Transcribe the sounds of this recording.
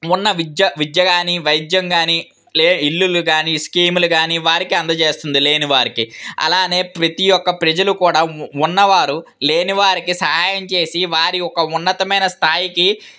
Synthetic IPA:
unːɐʋid͡ʒ̪jɐʋid̪jɐɡaːniʋɐjd̪jɐŋɡaːni | leːilːuluɡaːniskiːmuluɡaːniʋaːɾikiɐnd̪ɐt͡ʃe̞ːst̪und̪ile̞ːnuʋaːɾikiɐ̰laːne̞ːpɾɐt̪ijɔkːɐpɾɐd͡ʒɐlukuːɽaːunːɐʋaːɾule̞ːniʋaːɾikisɐɦaːjɐmt͡ʃe̞ːsiʋaːɾiɔkɐunːɐt̪ɐmɐjnɐst̪ʰaːjiki

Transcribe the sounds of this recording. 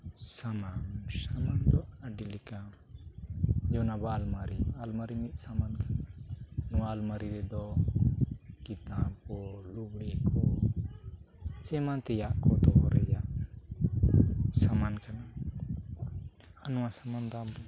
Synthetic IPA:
samansamand̪ɔaɖilɛka | d͡ʒɔnabalmaɾialmaɾimit̪̚ˀsamankananɔwalmaɾiɾɛd̪ɔ | kit̪ampɔlubɽɛkʰɔ | t͡ʃɛmant̪ɛjaʔkɔd̪ɔɾɛ̰jaʔ | samankana | anɔwasamand̪ɔampɔ

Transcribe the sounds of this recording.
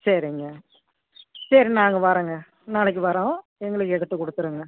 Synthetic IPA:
sɐɾɪŋɡɐ | sɐɾinaːŋɡɐpaːɾɯːŋɡɐ | naːɭɛk̬ːɯpɐːɾãː | ɛŋɡɐɭɯkːɯɛɽɐt̪ːɯkːɔɽɯt̪ːɯɾɯːŋɡɐ

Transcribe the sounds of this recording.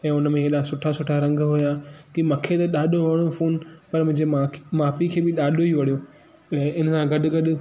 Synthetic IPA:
ɛ̃ːʊnmẽeɗasʊʈʰasʊʈʰaɾɐ̃ŋɡɦʊjakimɐkʰet̪ɐɗaːɗoʋɐɽ̃ofoːnpɐɾmʊ̃ɦɪ̃ɲd͡ʑemamaːpikʰeːbɪɗaːɗoiʋɐɽijoː | ɛ̃ːɪnsãɡɐɗʊ̆ɡɐɗʊ̆

